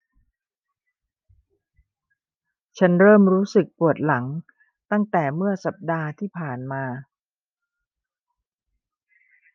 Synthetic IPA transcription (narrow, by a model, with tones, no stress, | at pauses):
t͡ɕʰa˦˥nɾɤː˥˩mɾuː˦˥sɯ˨˩k̚pu˨˩ət̪̚la˩˦ŋ | t̪a˥˩ŋt̪ɛː˨˩mɯ˥˩ɐsa˨˩p̚daː˧t̪ʰiː˥˩pʰaː˨˩nmaː˧